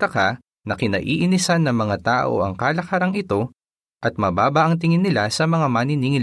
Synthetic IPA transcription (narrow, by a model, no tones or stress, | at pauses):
ɐka | nɐkɪnɐ̰ʔiːʔɪnɪsɐnːɐŋmɐŋat̪aːʔo̞̰ʔɐ̰ŋkaːlɐkɐɾɐŋɪt̪o̞ | ʔɐt̪̚mɐbaːbɐʔɐŋt̪ɪŋɪnːɪlasɐmɐŋamaniniŋɪl